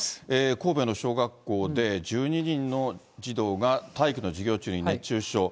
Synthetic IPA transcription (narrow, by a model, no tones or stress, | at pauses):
eːko̞ːbe̞no̞ɕo̞ːɡakːo̞ːd̪e̞d͡ʑɨːɲ̟iɲ̟ĩnːo̞ | d͡ʑid̪o̞ːɡat̪aikɯ̟no̞d͡ʑiɡʲo̞ːt͡ɕɨːɲ̟inẽt͡ɕɨːɕo̞ː